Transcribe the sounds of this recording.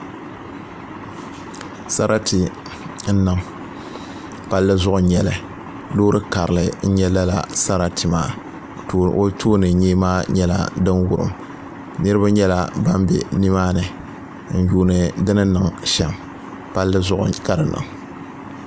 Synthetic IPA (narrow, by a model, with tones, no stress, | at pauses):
sa˦ɾa˦tʰi˨ | n̩˦nɨ˨ŋ | pa˦lːɨ˦zʊ˦ʔʊ˨ɲɛ˨lɨ˨ | lo˦ɾɨ˦ka˨ɾɨ˨lɨ˨n̩˦ɲɛ˦la˦la̰˨sa˦ɾa˦tʰɨ˨maː˨ | o˦tʰoː˦nɨ˨˦ɲeː˦maː˦ɲɛ˦la̰˨dɨ˦nwʊ˦ɾɨ̰˨m | nɨ˦ɾɨ˦ba˦ɲɛ˦la˨ba˦mbɛ̰˨ni˦maː˦nɨ˨ | n̩˨juː˦nɨ˨dɨ˦nɨ˦nɨ˨ŋʃɛ˨m | pa˦lːʔka˦ɾɨ˨nɨ̰˨ŋ